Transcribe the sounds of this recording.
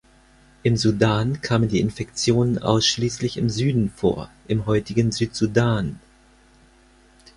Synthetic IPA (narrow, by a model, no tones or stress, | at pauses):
ʔɪmzudaːnkʰaːməndiːʔɪnfɛkt͡sjoːnənʔa̰ʊsʃliːslɪçɪmzyːdn̩fo̰ːɐʔɪmɦɔʏtɪɡən̩zyːtz̥udaːn